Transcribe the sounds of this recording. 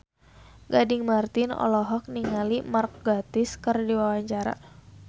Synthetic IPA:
ɡadɪŋmart̪ɪnɔ̰lɔɦɔk̚niŋalimark̚ɡat̪ɪskɨrdiwawaɲt͡ʃaɾa̰

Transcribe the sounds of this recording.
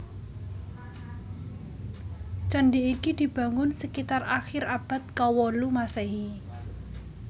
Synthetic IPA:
t͡ʃəɳɖiːkid̪̥i̤b̥ä̤ŋʊnsəkit̪araxɪɾab̥a̤t̪̚kawɔlumaseɦi

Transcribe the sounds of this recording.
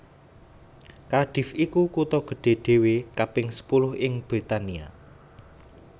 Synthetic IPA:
kaɖ̥i̤fikukut̪ɔɡ̥ə̤ɖ̥e̤ɖ̪̥e̤wekapɪŋsə̥pulʊhɪŋb̥ɾit̪ania̰

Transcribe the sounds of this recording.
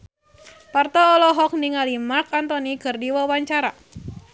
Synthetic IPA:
part̪ɔːlɔɦɔk̚niŋalimarkant̪ɔnikɨrdiwawaɲt͡ʃaɾa

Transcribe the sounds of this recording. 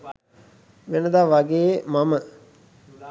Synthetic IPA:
ʋenəd̪aːʋaɡeːmamə

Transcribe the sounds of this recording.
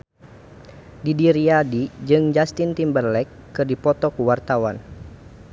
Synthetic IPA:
didiɾiadid͡ʒɨŋd͡ʒast̪int̪imbərlɛkːɨrdipɔt̪ɔkuwart̪awan

